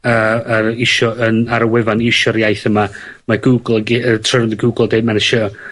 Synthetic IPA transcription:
əːəɾɪʃɔənaɾəwɛvanɪʃɔɾjajθəma | maɡuɡlˠəɡiətʰrəɾɔnəɡuɡl̩ˠdeːmanɛʃɔ

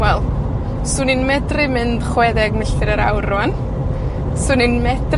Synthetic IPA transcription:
wɛlˠ | sʊnɨnmɛdrɪmɨnd̥χwɛðɛɡnəɬɨɾəɾa̰wrʊan | sʊnɨnmɛd̥r

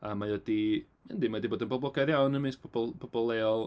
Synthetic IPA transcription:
amajɔdi | mɛndimadiboːdənbɔblˠɔɡadjawnəmɨspʰɔb̥ɔlˠpʰɔbɔlˠɛɔlˠ

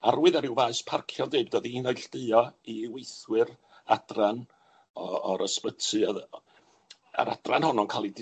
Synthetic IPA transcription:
arwɨðaɾɪwvaːɨspʰarkʰjɔdeːbdɔðinajɬd̥əɨɔiwejθwɨr | adran | ɔɔɾəspətʰɨað | a̰ɾadranhɔnɔnkʰalˠid

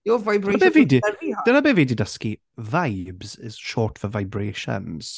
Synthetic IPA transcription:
jɔvajbabevidi̥ənabeːviːdidəski | vajbz̥ɪz̥ʃɔːtfəvajbɹeːʃə̰nz̥

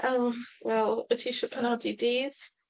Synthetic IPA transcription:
ʔowɛlˠətʰiʃəpʰənɔdidiːð

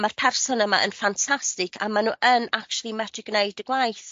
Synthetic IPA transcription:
marpʰɛrsɔnəmaʔə̰nfantʰastɪkʰamanuːʔənakt͡ʃulˠimɛtrɪɡnejdəɡlˠajθ

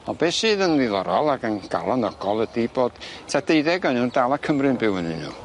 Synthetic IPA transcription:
ɔbeːsɨːðənlilˠɔɾɔlˠaɡənɡ̥a̰lˠanɔɡ̥ɔlˠədiboːd̥tʰad̥eɨðɛɡɔnundalˠakʰəmrɨnbɪwənɨnṵː

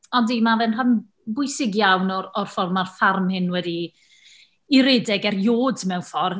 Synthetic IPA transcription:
ɔndimavɛnranm | bʊɨsɪɡjawnɔɾɔrfɔrmarfarmhɪnwɛdi | iɾeːdɛɡɛrjoːdmɛwnfɔr

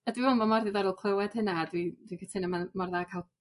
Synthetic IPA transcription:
adwiɔnmamɔrðɨðaɾɔlˠkʰl̥ˠəwɛd̥hɨnadwid̥wikʰətʰɪnəmamɔrðakʰalˠ

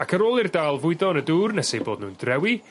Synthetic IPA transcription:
akʰəɾoːlˠirdaːlˠvʊɨðɔnəduːrnɛsejboːdnṵːndrɛwi

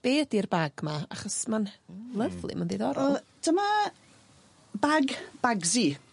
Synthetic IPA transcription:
b̥eːdirbaɡmaa̰χɔsmanlˠəvlˠḭməndeðɔɾɔd̥əma | baɡb̥aɡzi

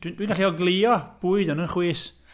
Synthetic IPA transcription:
d̥wind̥winɡaɬiɔɡlˠiɔb̥uːɨdɔnənχwiːs

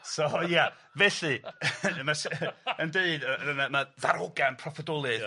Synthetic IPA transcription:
soja | vɛɬɨmaʃəndeɨdəənamaðaɾɔɡanpʰrɔfɔdɔlˠɨð

